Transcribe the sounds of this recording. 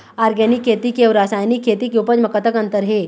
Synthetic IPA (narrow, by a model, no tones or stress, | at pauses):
aɾɡɛnikʰːet̪iːkewɾasajnikʰːet̪iːkjowpəd͡ʑməkət̪əkənt̪əɾɦe